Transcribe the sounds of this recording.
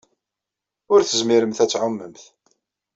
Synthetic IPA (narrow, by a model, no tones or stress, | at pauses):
ʊɾθəzmiɾəmθæt͡sːʕʊmːəmθ